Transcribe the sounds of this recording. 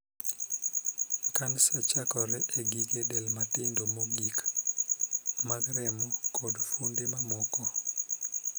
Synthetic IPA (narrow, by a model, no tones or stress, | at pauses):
kansat͡ʃakɔɾɛʔeɡiɡedɛlmatɪndomoɡik | maɡɾɛmɔkodfundemamɔkɔ